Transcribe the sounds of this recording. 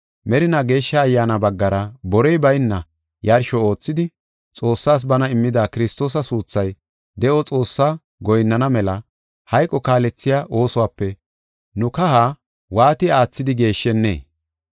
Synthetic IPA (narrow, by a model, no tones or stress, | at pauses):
mɛɾɪnaɡe̞ːʃːɐːjːaːnɐbɐɡːɐɾɐbɔɾɛjbɐjnːɐ | jɐɾʃɔo̞ːt͡sːɪd̪ɪ | t͡sʼo̞ːsːaːs̬bɐnɐɪmːɪd̪aːkɪɾɪst̪o̞ːs̬ɐsuːt͡sːɐj | d̪ɛʔɔt͡sʼo̞ːsːaː | ɡɔjnːɐnɐmɛlɐ | hɐjkʼːɔkaːlɛt͡sːɪjaːʔo̞ːsɔwaːpːɛ | nʊkɐhaː | waːt̪ɪaːt͡sːɪd̪ɪɡe̞ːʃːɛnːḛː